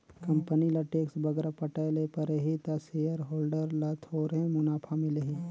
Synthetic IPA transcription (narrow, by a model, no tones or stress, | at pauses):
kɐ̃mpənilaʈeːksbɐɡɾapɐʈalepɐɾeɦit̪asejəɾɦoːlɖəɾlat̪ʰoːɾɦẽmʊnaːpʰamɪleɦi